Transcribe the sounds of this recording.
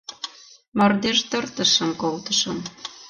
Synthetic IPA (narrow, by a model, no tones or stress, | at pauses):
mɑrd̪eʃt̪ə̆rt̪ə̆ʃə̆mkolt̪ə̥̆ʃɤ̆m